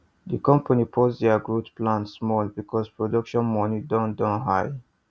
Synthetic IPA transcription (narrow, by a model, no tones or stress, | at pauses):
dikɔ̃mpʰanipʰosdɛaɡɹutplãntsmɔlbikʰɔspɹɔdɔkʃɔ̃nmɔnidɔ̃ndɔ̃nɦaj